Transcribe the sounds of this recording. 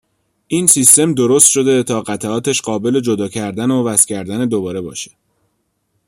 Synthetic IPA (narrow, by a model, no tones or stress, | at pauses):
ʔiːnsist̪e̞md̪o̞ɾost̪ʃo̞d̪e̞t̪ʰɒːɢæt̪ʰæɒːt̪ʰeʃɢɒːbe̞le̞d͡ʒo̞d̪ɒːcʰæɾd̪ænovæscʲʰæɾd̪æned̪obɒːɾe̞bɒːʃe̥